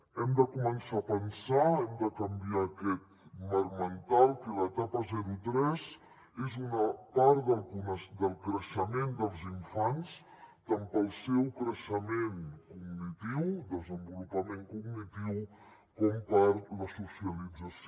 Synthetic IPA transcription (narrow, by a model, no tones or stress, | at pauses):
ɛmd̪əkumənsaːpənsaɛmd̪əkəmbiakɛt̪̚ | məɾmənt̪alˠkələt̪apəzɛɾut̪ɾɛz | ezunəpaɾd̪əlˠkunəsd̪əlˠkɾəʃəmend̪əlˠziɱfans | t̪ampəlˠsɛwkɾəʃəmenkuɡnit̪iwd̪əzəmbulupəmeŋkuɡnit̪iw | kɔmpəɾləsusiəlid͡zəs